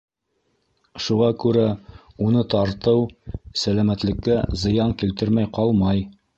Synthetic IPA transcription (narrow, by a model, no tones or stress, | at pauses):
ʃuʁɑkʉɾæ | unɤt̪ɑɾt̪ɤwsælæmæt̪lɘ̆kːæzɤ̆jɑŋkilt̪ɘɾmæjqɑlˠmɑj